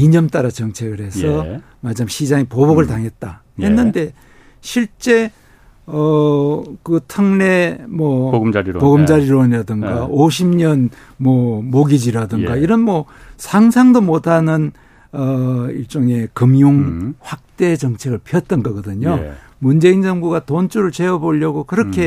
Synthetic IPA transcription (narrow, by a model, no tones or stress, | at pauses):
iɲʌmt͈aɾat͡ɕʌŋt͡ɕʰe̞ɡɯɾɦe̞sʰʌ | mad͡ʑʰamɕʰid͡ʑaŋepoboɡɯɭtaŋɦe̞t̚t͈a | he̞nːɯnde̞ | ɕʰiɭt͡ɕ͈e̞ | ʌ | kɯtʰɯŋne̞mwʌpoɡɯmd͡ʑaɾiɾoɲiɾadɯŋɡaoɕʰimɲʌn | mwʌmoɡid͡ʑiɾadɯŋɡaiɾʌnmʌ | sʰaŋsʰaŋdomotʰanɯn | ʌiɭt͡ɕ͈oŋe̞kɯmjuŋɸwak̚t͈e̞t͡ɕʌŋt͡ɕʰe̞ɡɯɭpʰiʌt̚t͈ʌnɡaɡʌdɯɲo | mund͡ʑe̞ind͡ʑʌŋbuɡatont͡ɕʰuɾɯɭt͡ɕe̞ʌboʎːʌɡokɯɾʌkʰe̞